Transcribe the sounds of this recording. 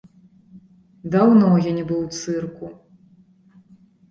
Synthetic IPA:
d̪awnɔjanʲɛbɨwt̪sɨrku

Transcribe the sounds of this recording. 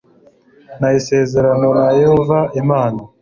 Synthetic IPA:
najise̞ːze̞ɾanonajehovaimaːna

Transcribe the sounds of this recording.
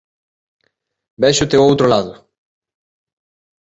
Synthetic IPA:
bɛʃʊt̪eoowt̪ɾolaðʊ

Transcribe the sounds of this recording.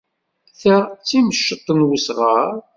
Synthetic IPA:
θæt͡sːiməʃːət̪ˤːənwəsʁəɾ

